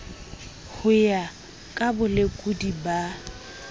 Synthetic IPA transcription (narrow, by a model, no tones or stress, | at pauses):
hʊja | kʼabʊlekʼudiba